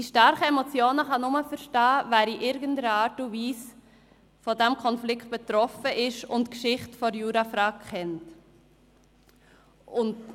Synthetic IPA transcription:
d̥iʃtɑɾχəɛmɔt͡sjoːnəχɑnʊməfəɾʃtɑːvæːɾiʔɪɾɡəndəɾəɑːɾtuviːs | fɔdɛmkʰɔnflɪkʰt̚b̥ɛt̪ɾɔfəʔɪʃʊntkʃɪχtfɔɾjuːɾɑfɾɑkɛnt | ʊnd

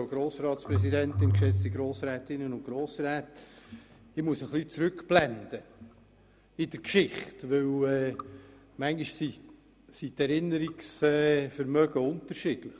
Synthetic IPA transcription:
ɡ̥ɾoːsɾɑːt̪spɾɛs̬idɛntɪnkʃɛt͡st̪iɡɾoːsɾɛːtɪnːənʊnɡ̥ɾoːsɾɛːt | ɪmuəsəχlit͡sɾʉkb̥lɛnd̪̥ə | ɪd̥əɾkʃɪχtʋɵwɛː | mæŋɡiʃsi | sitɛɾɪnːəɾiksɛfəɾmœɡəʊnt̪əɾʃɪd̥lɪχ

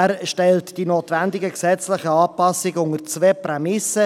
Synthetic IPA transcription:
æɾʃtɛltd̥inoːt̪ʋænd̪ɪɡəksɛt͡slɪχəɑːpɑsɪɡəʊŋərt͡sʋeːprɛmɪsə

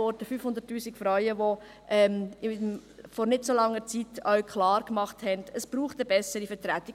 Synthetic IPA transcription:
ɔɾdəfyːfhʊndəɾtːuːsikfɾaɥəʋo | ʔɛmɪ | fɔɾnɪtsolɑŋːəɾt͡sitœɥkχlɑːɾkmɑχthɛndəsb̥ɾuːχtəbɛsəɾifətɾætːɪ

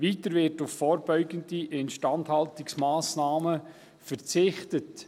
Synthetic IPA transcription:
ʋitəɾʋɪɾtʊfːɔːɾbœʏɡəndiʔɛntʃtɑnthɑltɪksmaːsnaːmə | fəɾt͡sɪχtət

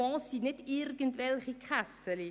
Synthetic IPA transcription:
ɑ̃ːsinɛtirɡəntʋɛlˠχikʰasəli

